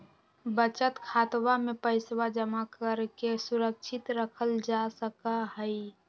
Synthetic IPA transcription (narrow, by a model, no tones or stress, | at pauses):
bət͡ʃət̪kʰaːt̪wamepəɪswad͡ʒəmakəɾkesuɾəkʃʰɪt̪ɾəkʰəld͡ʒasəkaɦəi